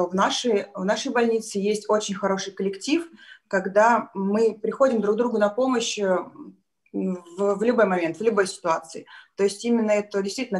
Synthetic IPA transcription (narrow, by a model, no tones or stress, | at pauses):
ovnaʂɨjvnaʂəjbɐlʲnʲit̪sɨjesʲtʲo̞t͡ɕɪnʲxɐɾo̞ʂɨjkəlʲɪktʲifkɐɡd̪amɨpɾʲɪxo̞dʲɪmd̪ɾuɡ̚d̪ɾuɡʊnɐpo̞məɕə | vvlʲʊbo̞jmɐmʲe̞nt̪vlʲʊbo̞jsʲɪ̥t̪ʊat̪sɨɪt̪o̞ɪsʲtʲimʲɪnːəɛt̪ədʲɪst̪vʲitʲɪlʲn